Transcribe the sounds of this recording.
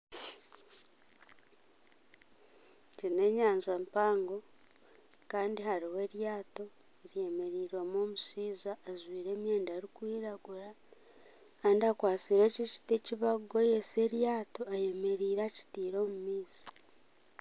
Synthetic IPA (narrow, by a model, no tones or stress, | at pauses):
cine̞ːɲaːɲzeːmpaːŋɡo̞ | kaːndihaɾiwe̞ːɾjaːto̞ | eɾje̞me̞ɾiːɾo̞ːmoːmusiːzaːzwiːɾe̞ːmjeːndeɾikwiːɾaɡuɾa | kaːndiakwaːt͡siɾe̞ːciʃi̥teciβaɡojese̞ɾjaːto̞aje̞me̞ɾiːɾaci̥tiːɾo̞ːmumiːsi̥